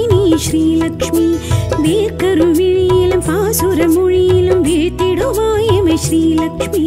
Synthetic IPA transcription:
niʃɾiːlɐkʂmiːbeːkɐɾuʋiɭilɐmfaːsoɾɐmuɻiːlɐmbʱet̪eɽoʋaːjɐmɐʃɾiːlɐkʂmiː

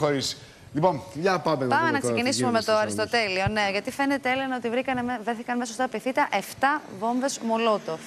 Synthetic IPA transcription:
oɾis | liponjɐpɐmepɐmenɐkssecinissumemet̪oɐɾist̪ot̪e̞lio̞ne̞ʝɐt̪ife̞ne̞t̪eelenɐot̪ivɾikɐnvɾeθikɐnmesost̪ɐpiθit̪ɐʔe̞ft̪ɐvo̞mbe̞zmolot̪o

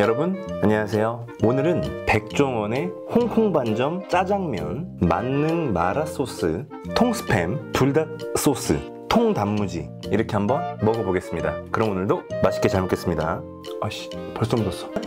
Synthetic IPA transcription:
jʌɾʌbunaɲʌasʰe̞jo | onɯɾɯnpe̞k̚t͡ɕ͈oŋwʌne̞ | hoŋkʰoŋband͡ʑʌmt͡ɕ͈ad͡ʑaŋmjʌ̰nma̰nːɯnmaɾas͈os͈ʰɯ̰ | tʰoŋsʰɯ̥pʰe̞̰mpuɭdat̚s͈os͈ʰɯ̰ | tʰoŋdamːud͡ʑḭ | iɾʌkʰe̞ɦambʌnmʌɡʌboɡe̞s͈ɯmɲidakɯɾʌmonɯɭdomaɕʰi̥k͈et͡ɕaɭmok͈ʰes͈ɯmɲida̰ | ʌɕi̥pʌɭs͈omdos͈ʰʌ̥

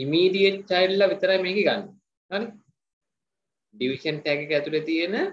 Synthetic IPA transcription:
imiːɖijeʈt͡ʃajllɐʋit̪əɾajmeːɡeɡanːe | ani | ɖiʋiʃənʈ̪ɛɡekæt̪uʈet̪ijenə

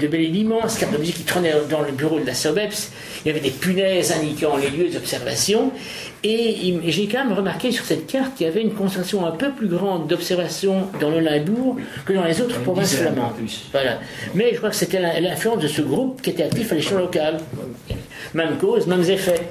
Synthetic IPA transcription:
d̪əbɛlelimɑ̃skat̪d̪əmyzikːit̪χənɛd̪ɑ̃ləbyʁod̪əlasɔbɛps | iljavɛd̪epynɛzɛ̃d̪ikɑ̃leljød̪zɔpsɛʁva̰sjɔ̃ | eimeʒekɑ̃mɛmʁəmaʁkesyʁ̥sɛt̪̚kaʁt̪̚kʲiljavɛynkɔ̃sɛʁlasjɔ̃ɛ̃pøplyɡʁɑ̃d̪ːɔpsɛʁvasjɔ̃d̪ɑ̃ləlɛ̃buːʁ | kəd̪ɑ̃lezot̪χə̥pχɔvɛ̃sflamɑ̃vwalamɛʒəkχwakə̥set̪ɛlɛlɛ̃flyɑ̃sd̪əsəɡʁup̚kʲiet̪ɛakt̪ifaleʃɛ̃lɔkala̰ɛmɛmkozmɛmzefɛ

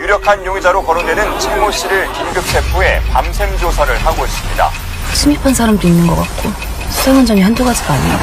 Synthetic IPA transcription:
juɾjʌkʰanjoŋid͡ʑaɾokʌɾondwe̞nɯnt͡ɕʰemoɕ͈iɾɯɭkimɡɯp̚sʰe̞pʰue̞pamsʰe̞md͡ʑosʰaɾɯɭhaɡois͈ɯmɲida̰ | sʰimipʰansʰaɾamdoinːɯnɡʌk͈at̚k͈o | sʰusʰaŋand͡ʑʌmiɦandoɡad͡ʑiɡoaɲi

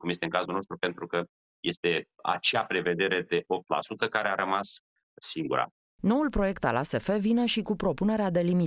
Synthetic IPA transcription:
kumje̞st̪eɨŋkazulnost̪ɾupe̞nt̪ɾukə | je̞st̪e̞a̰t͡ʃeapɾe̞ve̞d̪e̞ɾe̞d̪e̞ʔo̞p̚t̪la̰sut̪əkaɾe̞aɾəmasː | iŋɡuɾa̰ | no̞ulpɾo̞je̞kt̪alase̞fe̞vine̞ʃikupɾo̞pune̞ɾead̪e̞limi

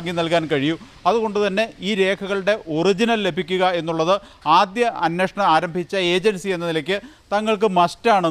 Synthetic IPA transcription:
ŋɡinɐlkaːnkɐɻiju | ɐðuɣo̞ɳɖɨt̪ɐnːe̞iːɾe̞ːkʰɐɣɐɭɨɽe̞ʔo̞rid͡ʑinɐlle̞bʱikʲːuɣɐe̞nːuɭːɐðɨ | aːd̪jɐɐnːeʂɐɳɐmaːɾɐmbʱit͡ɕːɐe̞ːd͡ʑɐnsie̞nːɐnilɐkʲːɨ | t̪ɐŋːɐɭk̬ɨmɐstaːɳ

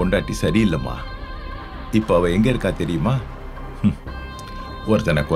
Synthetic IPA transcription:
ɔɳɖaːʈːisɐɾɪɪlːɐma̰ː | ɪpːoɐʋɐ̃ɛŋɡɐɪɾɯkːaːt̪ɛɾɪjɯmaː | ɔɾɯt̪ːɐnɐkːɔ

